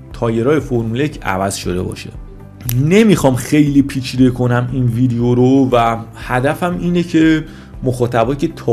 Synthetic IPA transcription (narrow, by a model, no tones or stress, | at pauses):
t̪ʰɒːje̞ɾɒːjefoɾmulecʰæ̰væz̥ʃo̞̰d̪e̞bɒ̰ːʃḛ | ne̞mixɒːmxe̞jlipʰiːt͡ʃʰiːd̪ekʰo̞næminviːd̪ejoɾovæhæd̪æfæmiːnecʰe̞ | moxɒːt̪ʰæbɒːcʰet̪ʰɒ